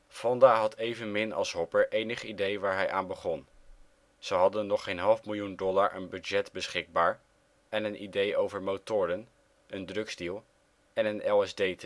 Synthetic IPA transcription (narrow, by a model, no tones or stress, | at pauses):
fɑndaːɦɑtʰejvənmɪnɑ̰lˠsɦɔpəɹʔejnəχidejʋaːɹɦɛjʔaːnbəχɔn | z̥əɦɑdənːɔχejnɦɑlˠfmɪlˠjundɔlaːɹʔə̰nbyd͡ʒɛtbəsχɪɡ̚baːɹ | ɛnənʔḭdejowvəɹmowtʊːɾən | əndrɵkzdilˠ | ɛnənɛlˠɛzdejt